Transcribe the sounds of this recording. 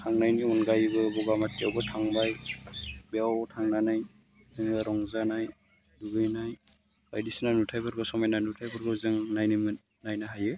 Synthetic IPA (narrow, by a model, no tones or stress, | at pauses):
tʰaŋnajniunɡajbɯbɔɡamatːiawbɔtʰaŋbaj | beawtʰaŋnanaj | zɯŋɯɾɔŋzanaj | duɡɯjnaj | bajdisnanutʰajbʰɯɾɡɔsɔmajnanutʰajbʰɯɾɡɔzɯŋnajnimɯ | najnaɦajɯ